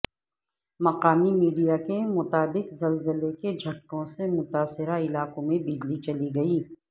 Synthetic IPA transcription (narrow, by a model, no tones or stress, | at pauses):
mɐqaːmimiːɖijakemʊt̪aːbɪqzɐlzəleked͡ʒʱɐʈ̚kõsemʊt̪aːsɪɾaɪlaːqõmẽbɪd͡ʒlit͡ʃɐliɡɐiː